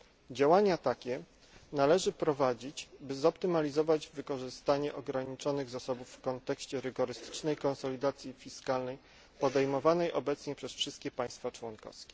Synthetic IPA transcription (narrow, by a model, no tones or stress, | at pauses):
d͡ʑawaɲat̪akʲɛ | nalɛʐɘpɾɔvad͡ʑit͡ɕbɘzɔpt̪ɘmalʲizɔvad͡ʑvɘkɔʐɘst̪aɲɛʔɔɡɾaɲit͡ʂɔnɘɣzasɔbufːkɔnt̪ɛkɕt͡ɕɛɾɘɡɔɾɘst̪ɘ̥t͡ʂnɛjkɔnsɔlʲid̪at̪sʲjifʲiskalnɛj | pɔd̪ɛjmɔvanɛjʔɔbɛt̪sɲɛpʂɛsfʂɘst̪̚kʲɛpãj̃st̪fat͡ʂwɔnkɔ̰fskʲɛ